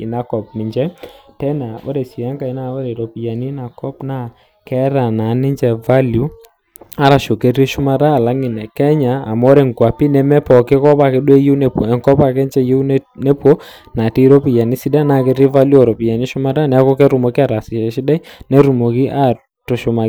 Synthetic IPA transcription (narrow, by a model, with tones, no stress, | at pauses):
ɪ˨na˨kɔ˨pmɪ˨ɲd͡ʒɛ˦tɛ˦na˨ɔ̰˦ɾɛ˨si˨ja˦ŋka˨ɪ˦na˦ɔ˦ɾɛ˨ɾɔ˨pi˨ja˨nɪ˦na˨kɔ˦pna˦ | kɛ˦ɾa˨na˨˦nɪ˦ɲd͡ʒɛ˨va˦lju˦ | a˦ɾa˨ʃo˨ke˦rɾi˦ʃʊ˦ma˦ɾa˦˨la˦ŋɪ˨nɛ˨kɛ˦ɲaː˨mɔ˦ɾɛ˨ŋkwa˨pi˦nɛ˨mɛ˦pɔ˨kɪ˦kɔ˦pa˨kɛ˦ɗwɛ˦jɪ˦wnɛ˦po˨ɛ˨ŋkɔ˦pa˨kɛ˦nt͡ʃɛ˦je˦nɛ˦pwo˦ | na˨ti˦ɾo˦pi˨ja˨nɪ˦si˦da˦na˦˨ke˨ri˦va˦lju˦ɔ˨ɾɔ˨pi˨ja˨nɪ˦ʃʊ˦ma˦ɾa˦nɛ˨˦a˦kɔ˦kɛ˦ɾu˨mɔ˨kɪ˦a˦˨ɾa˨sɪ˨ʃɛ˨ʃɪ˦da˦nɛ˦ɾu˨mo˨kɪ˦ʔa˦ | tʊ˨ʃʊ˨ma˨